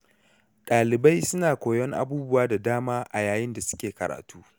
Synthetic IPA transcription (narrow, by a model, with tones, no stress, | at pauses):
ɗaː˨lɪ˨ba˦jsʊ˦naː˨kʷoː˨jɔ˦ŋʔa̰˦buː˦bʊ˦waː˦da˨daː˦maː˦ʔa˨jaː˨jɪ˦nda˨sʊ̥˦kʲeː˨kɐ˨ɾa̰ː˨tuː˦